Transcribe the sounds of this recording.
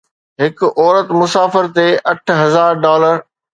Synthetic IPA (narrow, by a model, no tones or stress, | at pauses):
ɦɪkɔːɾət̪mʊsaːfɪɾt̪eʔɐʈʰɦɐzaːɾɖɔːləɾ